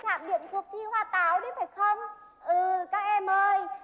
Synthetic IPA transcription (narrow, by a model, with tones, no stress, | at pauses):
taː˧˩mɗḭ˧˨əmt̪ʰwək̚t̪ʰi˧hwaː˧t̪aː˨˦wɗi˧˦faː˨˩jxə˧wŋ͡m | ʔɨː˨˩kaː˦˥k̚ʔɛ˧mʔəː˧j